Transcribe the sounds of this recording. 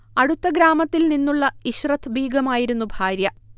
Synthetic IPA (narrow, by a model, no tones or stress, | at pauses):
ɐɽut̪ːɐɡɾaːmɐt̪ːilninːuɭːɐiɕrɐt̪ʰːbʱiːɡɐmaːjiɾunːubʱaːɾjɐ